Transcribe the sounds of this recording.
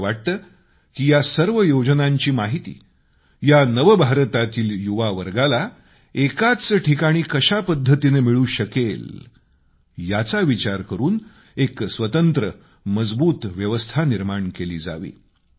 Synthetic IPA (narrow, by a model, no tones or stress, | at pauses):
ʋaʈ̚t̪əː | kiːjasəɾʋəjod͡znaɲt͡ɕiːmaɦit̪ḭː | janəʋbʱaɾt̪at̪iːljuʋaʋəɾɡala | ekat͡səʈʰikaɽ̃iːkəɕapəd̪ʱːət̪inemiɭuːɕəkel | jat͡saʋit͡ɕaɾkəɾuːn | eksʋət̪ənt̪ɾə | məd͡zbuːt̪ʋjəʋəst̪ʰaniɾmaɳkeliːd͡za̰ʋḭː